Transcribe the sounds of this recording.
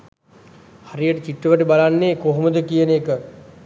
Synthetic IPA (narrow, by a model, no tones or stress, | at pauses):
haɾijəʈət͡ɕiʈrəʋəʈəbalanːekoɦoməd̪əkijəneːkə